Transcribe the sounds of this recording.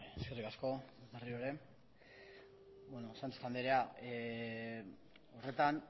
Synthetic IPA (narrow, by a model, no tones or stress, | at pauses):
eskerikasko̞βerioɾe̞ | bwenosant̪e̥t̪and̪eɾeae | o̞re̞t̪an